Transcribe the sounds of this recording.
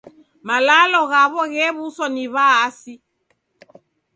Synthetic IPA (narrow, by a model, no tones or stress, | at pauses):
malalɔɣaβɔɣɛβusɔniβaːsi